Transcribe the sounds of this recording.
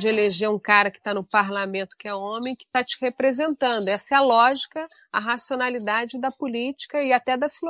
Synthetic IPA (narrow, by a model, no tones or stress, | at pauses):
d͡ʒɪeleʒeɾũkaɾɐkɪ̥t̪anʊpaɾlamẽnt̪ʊ̥kɪɛõmẽj̃kɪ̥t̪at͡ʃɪ̥hepɾezẽnt̪ɐ̃nd̪ʊɛsɐɐlɔʒikɐɐɦasionalid̪ad͡ʒɪd̪ɐpʊlit͡ʃi̥kɐɪat̪ɛd̪ɐfilo